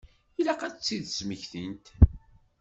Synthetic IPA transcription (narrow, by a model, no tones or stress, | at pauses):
ilæqæt͡sːiðsməçθint̪